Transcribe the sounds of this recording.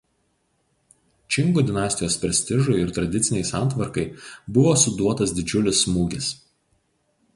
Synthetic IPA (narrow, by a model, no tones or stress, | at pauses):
t͡ʃʲɪŋɡuːd̪ʲɪnɑːˑsʲt̪ʲɪjoːspʲɾʲɛsʲt̪ʲɪʒʊɪɪɾt̪ɾɐd̪ʲɪt̪sʲɪnʲɛɪsɑˑnˑt̪ʋɐɾkɐɪbʊʋoːsʊd̪uɔt̪ɐsd̪ʲɪd͡ʒʲʊlʲɪsmuːɡʲɪs